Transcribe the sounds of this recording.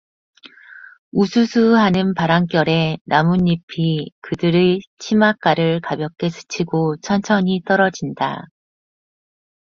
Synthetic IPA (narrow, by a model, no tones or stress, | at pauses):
usʰusʰuɦanɯnpaɾaŋk͈jʌɾe̞namuɲːipʰikɯdɯɾet͡ɕʰimak͈aɾɯɭkabjʌk͈e̞sʰɯ̥t͡ɕʰiɡot͡ɕʰʌnt͡ɕʰʌɲit͈ʌɾʌd͡ʑinda̰